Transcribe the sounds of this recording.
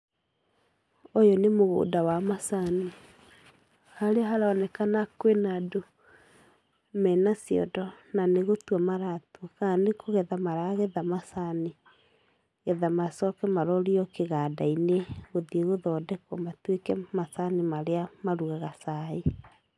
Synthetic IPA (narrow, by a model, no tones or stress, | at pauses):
ojɔnemoɣo̰ːdawamasani | haɾeɦaɾaɔnɛkanakwenado | mɛnasiɔ̰dɔnaneɣotwamaɾatuɔkanekʰoɣɛðamaɾaɣɛðamasani | ɣɛðamasɔkɛmaɾɔɾiɔkeɣadaineɣoðieɣoðɔːdɛkɔmatwekɛmasanemaɾeamaɾuɣɛɣasae